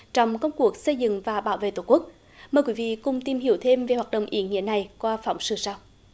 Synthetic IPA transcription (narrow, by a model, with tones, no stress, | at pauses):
t͡ɕɔ˧wŋ͡mkə˧wŋ͡mku˨˩˥ək̚sə˧jzɨ̰˧˨ŋvaː˨˩ɓaː˧˦wvḛ˧˨t̪o˨˩ku˦˥k̚ | məː˨˩jkwi˨˦vḭ˧˨kʊ˨˩ŋ͡mt̪i˨˩mhi˧˩˦əwt̪ʰe˧mve˨˩hwaː˨˩ɗə̰˧˨wŋ͡mʔḭ˧˩˦əŋḭ˧˥əna˨˩jkwaː˧fa˧˩˦wŋ͡msɨ˧˩saː˧w